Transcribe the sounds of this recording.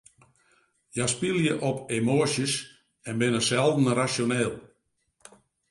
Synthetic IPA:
jaspilˠjəʔɔpʰemoːsjəs | ɛnbɪnəsɛlˠdn̩rasjonɛːlˠ

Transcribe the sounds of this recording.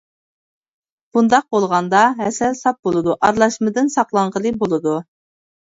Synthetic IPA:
b̥und̪ɑq̚bolˠʁɑnd̪ɑɦɛsɛlsɑt̪̚bolˠɨd̪uʔɑɾlˠɑʃmɨd̪ɪnsɑqlˠɑɴʁəlˠɨbolˠɨd̪u

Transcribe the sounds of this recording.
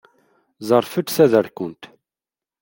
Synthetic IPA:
zˤəɾˤfət̪sæðəɾkʊnt̪

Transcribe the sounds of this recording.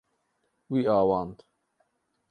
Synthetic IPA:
wiaːwant̪

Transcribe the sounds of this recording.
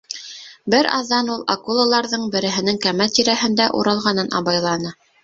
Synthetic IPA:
bɘɾɑ̰ðːɑnulˠa̰kulˠalˠɑɾðɤɴbɘ̆ɾɘ̆ɦɘ̆nɘŋkæmælt̪iɾæhɘ̆nd̪æʔṵɾɑlˠʁɑnɤnʔɑ̰βɑjlˠɑnɤ

